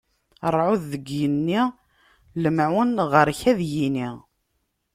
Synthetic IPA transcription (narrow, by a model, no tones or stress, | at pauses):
əɾˤːʕuðːəɡjənːiʁ | ləmʕʊnʁəɾçæðjiniʁ